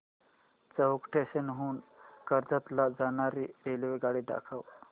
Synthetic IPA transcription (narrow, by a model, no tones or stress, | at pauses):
t͡səɦukʈʰeɕənɦuːnkəɾd͡z̪at̪lad͡zanaɾielʋeɡaɽiɖa̰kʰaw